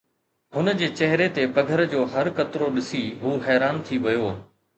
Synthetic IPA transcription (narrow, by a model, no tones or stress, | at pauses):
ɦʊnd͡ʑeːt͡ɕɐɦɪɾet̪epɐɡʱəɾd͡ʑoːɦɐɾkɐt̪ɪɾoɗɪsiɦuːɦɛːɾaːnt̪ʰiʋɐjoː